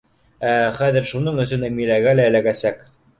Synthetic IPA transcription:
æχæðɘɾʃunɤɴɵ̆sɵnæmilæɡælæɘ̆læɡæsæk

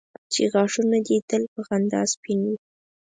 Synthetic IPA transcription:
t͡ʃḛɣɑʂunad̪et̪əlpəɣand̪ɑ̰spinwi

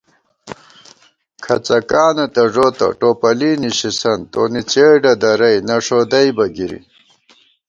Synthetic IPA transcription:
kʰɐt͡sɐkaːnɐt̪ɐʐoːt̪ɐ̰ʈoːpɐliːniɕisɐnt̪oːnit͡ɕeːɖɐd̪ɐɾɐjnɐʂod̪ɐjbɐɡiɾḭ

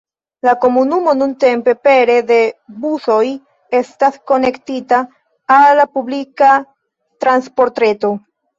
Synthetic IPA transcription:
lako̞munumo̞nunte̞mpe̞pe̞ɾe̞de̞buso̞j | e̞stasko̞ne̞ktitaː | lːapublika | tɾanspo̞ɾtɾe̞to̞

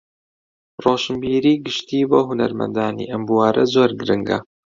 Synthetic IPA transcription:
roːʃɨmbiːɾiːɡɨʃt̪iːboːɦunɐ̰ɾmɐ̰nd̪aːnḭːʔɐmbuwaːɾɐzoːɾɡɨɾɨŋɡɐ̰

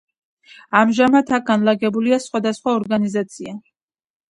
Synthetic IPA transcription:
amʒamat̪ʰak̚ɡanlˠaɡɛbuliasχwad̪asχwaɔɾɡanizat̪sʰia

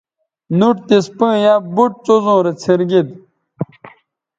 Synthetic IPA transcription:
nuʈt̪ispə̃ːjabuʈ̚t͡sozõːɾet͡sʰeɾɡid̪̚

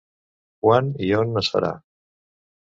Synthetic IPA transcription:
kwanionːəsə̰ɾa̰

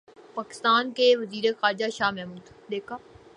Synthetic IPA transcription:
paːkɪ̥st̪aːnkeʋɐziːɾexaːɾd͡ʒaʃaːmɛɦmuːd̪d̪eːkʰaː

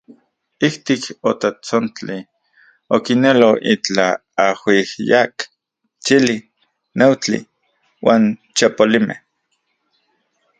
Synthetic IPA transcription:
iht̪ikot̪at͡sont͡ɬi | okineloit͡ɬaːhihjak | t͡ʃili | newt͡ɬḭ | waːn | t͡ʃapolimʔḛh

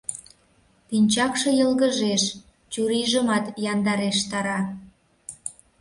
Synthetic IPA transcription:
pinʲt͡ɕɑkʃɤ̆jəlɣəʒeʃ | t͡ɕuɾiʒəmɑt̪jɑnd̪ɑɾeʃt̪ɑɾɑ

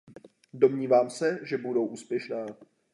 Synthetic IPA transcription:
do̞mɲiːvaːmsɛʒɛbudo̞wʔuːspjɛʃnaː

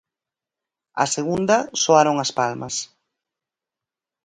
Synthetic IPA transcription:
ɐ̰seɣund̪ɐsoaɾoŋaspalmɐ̰s

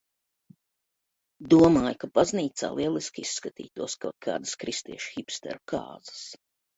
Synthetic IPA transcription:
d̪uɔmaːjkapazniːt̪sa̰ːlˠiɛlˠiskʲisːkat̪ḭːt̪uɔskaːt̪̚kʰa̰ːd̪skɾist̪iɛʃxipst̪ɛ̰ɾuka̰ːz̥ḁs

